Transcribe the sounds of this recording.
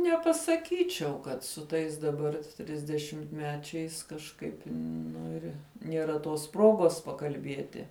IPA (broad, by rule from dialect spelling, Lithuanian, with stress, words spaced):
nʲɛpɐsɐˈkʲiːt͡ʃʲɛʊ kɐt sʊ ˈtɐɪs dɐˈbɐr tʲrʲɪzʲdʲɛʃʲɪmʲtʲˈmʲæːt͡ʃʲɛɪs kɐʃˈkɐɪp ˈnʊ ɪr nʲiɛˈrɐ toːs ˈproːɡoːs pɐkɐlʲˈbʲiɛtʲɪ